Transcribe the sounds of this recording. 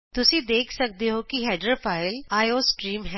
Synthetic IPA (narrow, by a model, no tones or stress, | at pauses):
t̪ʊsĩd̪eːkʰsək̚d̪eɦokiɦɛːɖəɾpʰaːɪlaːjoːsʈɾiːmɦɛ